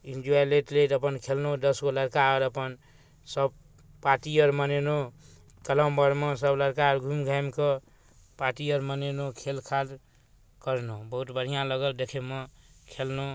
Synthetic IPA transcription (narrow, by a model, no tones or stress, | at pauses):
ind͡ʒualeʈlet̪ʌpʌnkʰelnod̪ʌskolʌɾkaʌɾʌpʌn | sʌb̚ | paʈijʌɾmaneno | kʌləmbʌɾmʌ̃sʌblʌɾkaʌɾɡʱumɡʱajmkʌ | paʈijʌɾmənenokʰelkʰal | kʌɾnobʌɦut̪bʌɽ̤ijãlʌɡʌld̪ekʰemʌkʰelno